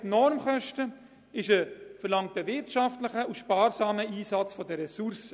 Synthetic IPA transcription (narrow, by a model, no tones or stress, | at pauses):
tnɔɾmχœʃtə | ɪʃəfəɾlɑŋtəvɪɾtʃɑftləχəuʃpɑːɾsɑːməiːsɑt͡sfɔdəɾɛsuɾsə